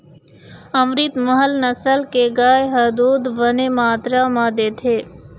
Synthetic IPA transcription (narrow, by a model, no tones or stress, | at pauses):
əmɾit̪məɦəlnəsəlkeɡaːjɦɐd̪uːd̪ʋənemaːt̪ɾamãd̪eːt̪ʰeː